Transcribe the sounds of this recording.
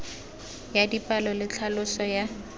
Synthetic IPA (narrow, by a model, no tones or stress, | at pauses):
jadipʼalɔlɪt͡ɬʰalʊsɔja